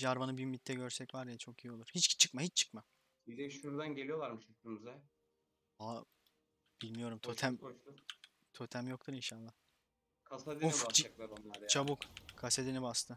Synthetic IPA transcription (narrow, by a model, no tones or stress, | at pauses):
d͡ʒaɾvanɯbyymit̪ʰːɛɟøɾsɛcvaɾd̪ijɛt͡ʃʰo̞kijio̞lˠuɾ̥hit͡ʃt͡ʃʰɯkmahit͡ʃt͡ʃʰɯ̥kma | bid̪ɛʃuɾd̪anɟelʲijo̞lˠaɾmɯʃɯɯmzɛ | a | b̥ilʲmijo̞ɾumt̪ʰot̪ʰæm | t̪ʰot̪ʰæmjokt̪uɾinʃalˠːah | kʰasad̪inuifat͡ʃaklˠab̪amt͡ʃʰabukkʰased̪inibast̪ʰɯ